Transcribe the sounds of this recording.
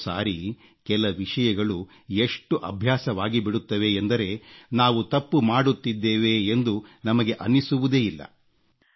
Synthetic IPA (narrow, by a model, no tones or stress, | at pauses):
sa̰ːɾi | kɛlɐʋiʂɐjɐɡɐɭu | e̞ʂʈuʔɐ̰bʱjaːsɐʋaːɡibiɽut̪ːɐʋe̞ːnd̪ɐɾe̞naːʋut̪ɐpːumaːɽut̪ːid̪ːeːʋe̞ːnd̪unɐmɐɡe̞ʔɐnːisuʋud̪e̞ːilːɐ̰